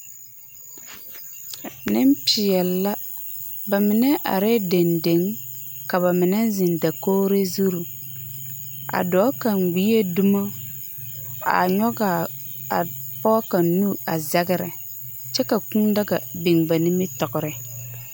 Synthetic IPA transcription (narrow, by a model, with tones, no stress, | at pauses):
nɪ˦mpɪ˨ɛ˨lːa˦ | ba˨mɪ˨nɛ˦ʔa̰˨ɾɛ˦de˨nde˨˦ŋka˨βa˨mɪ˨nɛ˦zɪ˨n˨da˨koː˦ɾe˦zu˦ɾu˨ | a̰˨dɔː˨˦ka˨ŋ͡mɡ͡bi˨˦e˦du˦mo˦ | a̰˨ɲɔ˦ɡa˨ | a̰˨ | pɔ˦ka˨nnu˦a˨za˦ɡɪ˦ɾɛ˨ | t͡ʃɛ˦ka˨ku˦nda˦ɡa˨bɪ˨ŋba˨nɪ˦mɪ˦tɔ˨ɡʊ˨ɾɛ˨